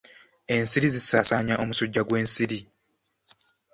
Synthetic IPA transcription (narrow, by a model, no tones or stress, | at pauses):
e̞nsiɾizisaːsaːɲaʔo̞musuɟːaɡwe̞ːnsiɾi